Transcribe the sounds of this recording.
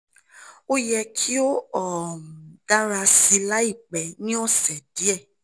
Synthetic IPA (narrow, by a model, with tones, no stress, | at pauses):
o˦jɛ˧kʰi˦o˦ɔ˨d̥a˦ɾa˧si˧la˦i˦˨k͡pɛ˨nĩ˦ɔ˦˨sɛ˨di˨˦ɛ˦˨